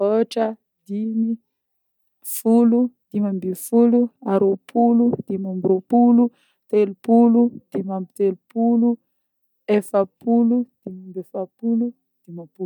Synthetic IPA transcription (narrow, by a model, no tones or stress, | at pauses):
ot͡ʃa | d̪ini | fulud̪̥imambifuluaɾopʰulud̪̥imambɾopulu | t̪elupulud̪̥imamt̪elpulu | ɛfapulud̪̥imambifapulu | d̪̥imapu